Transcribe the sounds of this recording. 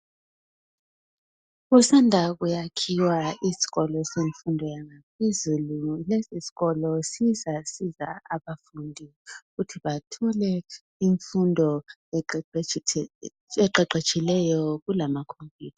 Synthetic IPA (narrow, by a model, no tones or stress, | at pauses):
ɣusandʱaɣ̬ujakʰiwaisi̥ɣɔlɔseɱfundʱɔjaŋapʰezululesisi̥ɣɔlɔsizasiza̰aβafundʱiɣutʰiβatʰɔlɛ | iɱfundʱɔ | ɛǃɛǃet͡ʃʼilɛjɔɣulamakʰompʰʼiːtʰḁ